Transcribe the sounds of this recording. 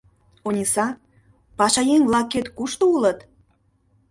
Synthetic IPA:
onʲisɑ | pɑʃɑjeŋvlɑkːet̪kuʃt̪oulət̪

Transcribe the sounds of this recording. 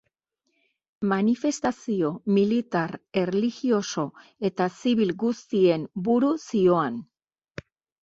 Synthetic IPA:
manife̞st̪asio̞milit̪aɾe̞reliɣio̞so̞e̞t̪asiβilɡust̪ie̞mbuɾusio̞an

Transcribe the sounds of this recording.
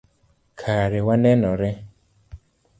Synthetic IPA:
kʰaɾewanɛnɔɾɛ

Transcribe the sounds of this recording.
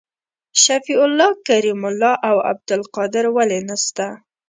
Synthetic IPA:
ʃafiʊlːɑkaɾimʊlːɑʔawa̰b̚d̪ʊlqɑd̪ɪɾwalenast̪a

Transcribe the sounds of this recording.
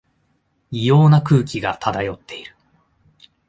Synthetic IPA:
ijo̞ːnakɯ̟ːkʲiɡat̪ʰad̪ajo̞t̪ːe̞iɾɯ̟

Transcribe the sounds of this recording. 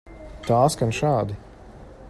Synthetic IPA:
t̪aːsɡanʃaːd̪i

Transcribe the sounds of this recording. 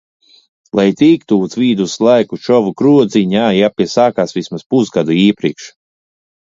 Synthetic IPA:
lˠajt̪iːkt̪uːt̪sviːd̪uslˠajkut͡ʃɔvukɾuɔd̪ziɲaːjapʲiɛsaːkaːsvismaspusɡad̪uiːɛpɾiɛkʃ

